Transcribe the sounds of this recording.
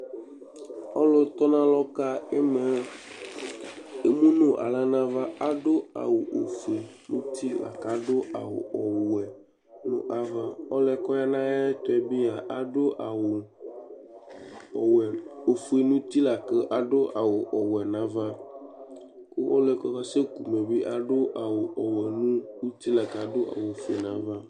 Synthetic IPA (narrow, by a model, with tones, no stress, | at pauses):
ɔ̰˦lo˦t̪ɔ˦nã˦lɔ˦ka˦e˦me˨ | e˨mũ˦nũ˦ʔa̰˨la˦nã˦va˦a˦ɖo˦a̰˨wo˨ʔo˨fi˨nũ˦t̪i˦la̰˨ka˨ɖo˦a˨wo̰˨ʔɔ˨wɛ˨ | nṵ̃˦ʔa˦va˦ɔ˦lɛ˦kɔ˦ja˦nã˦ja˦t̪ɔ˦ɛ˨bi˦a˨ʔa˨ɖo˦ʔa˨wo˨ | wɛ˨o˨fu˨e˨nũ˦t̪i˦la˨ke˦ʔa˨ɖo˦ʔa˨wo˨ʔɔ˨wɛ˨nã˦va˦ | ko˦ʔɔ̰˦lɛ˦kɔ˦ka˦se˦ku˨me˨bi˦ʔa˨ɖo˦ʔa˨wo˨ʔɔ˨wɛ˨nũ˦wu˦t̪i˦la˨ka˨ɖo˦ʔa̰˨wo˨fu˨e˨nã̰˦va˦